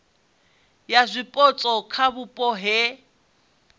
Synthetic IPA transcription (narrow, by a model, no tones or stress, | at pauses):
jazʷɪpʼɔt͡sʼɔkʰabupʼɔɦɪ